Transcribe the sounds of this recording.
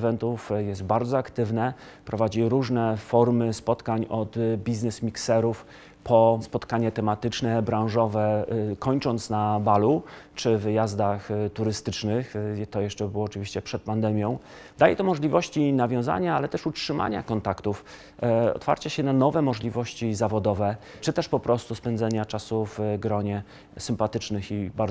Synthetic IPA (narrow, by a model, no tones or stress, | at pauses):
vɛnt̪ufjɛst̪baɾd̪zɔakt̪ɘvnɛ | pɾɔvad͡ʑiɾuʐnɛfɔɾmɘspɔt̪kaɲɔd̪bʲiznɛsmʲiksɛɾuf | pʰɔspɔt̪kaɲɛt̪ɛmat̪ɘt͡ʂnɛbɾãw̃ʐɔvɛkɔɲt͡ʂɔnt̪snabalut͡ʂɘvɘjazd̪axt̪uɾɘst̪ɘt͡ʂnɘxt̪ɔjɛʂt͡ʂɛbɘwɔːt͡ʂɘvʲiɕt͡ɕɛpʂɛt̪̚pand̪ɛmʲjɔ̃w̃ | d̪ajɛt̪ɔmɔʐlʲivɔɕt͡ɕinavʲjɔ̃w̃za̰ɲaalɛt̪ɛʂutʂɘma̰ɲa̰kɔnt̪akt̪uf | ɔ̰t̪fa̰ɾt͡ɕaɕɛnanɔvɛmɔʐlʲivɔɕt͡ɕizavɔd̪ɔvɛ | t͡ʂɘt̪ɛʂpɔpɾɔst̪uspɛnd̪zɛɲat͡ʂasuvɡɾɔɲɛ | sɘmpat̪ɘt͡ʂnɘxibaɾ